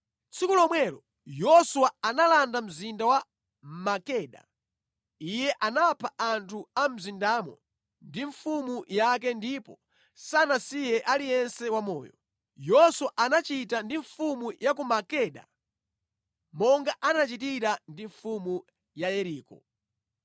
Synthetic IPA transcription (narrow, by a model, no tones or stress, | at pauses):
t͡sikulɔmwɛlɔ | jɔsuwaanalandam̩zindawa | makɛɗa̰ | ijɛʔanapʰaʔantʰuam̩zindaːmɔ̰ | ndiɱfumujak̬ɛndipɔ | sanasijɛʔalijɛnsɛwamɔ̰ːjɔ̰ | jɔswaʔanat͡ʃitandiɱfumujak̬umakɛɗa̰ | mɔŋɡaʔanat͡ʃitiɾandiɱfumu | jajɛɾiːkɔ